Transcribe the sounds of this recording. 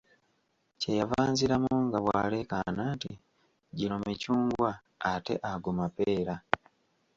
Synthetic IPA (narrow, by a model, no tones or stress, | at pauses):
cejavaːnziɾamuuŋɡaβwaːle̞kananti | ɟilomicuːŋɡwaː | te̞̰ʔaɡomapeːɾa